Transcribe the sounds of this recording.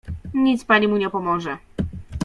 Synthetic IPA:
ɲit̪spaɲimuɲɛpɔmɔʐɛ

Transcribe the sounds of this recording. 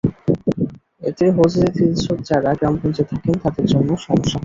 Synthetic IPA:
et̪eɦod͡ʑid͡ʑit̪ʰiʃot̪d͡ʑaɾaɡɾampont͡ɕet̪ʰakent̪ad̪eɾd͡ʑonːoʃɔmoʃːa

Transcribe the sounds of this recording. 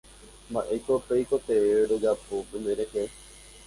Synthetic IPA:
mbaʔejkopejkot̪eeɾod͡ʒapopẽmbeɾehe

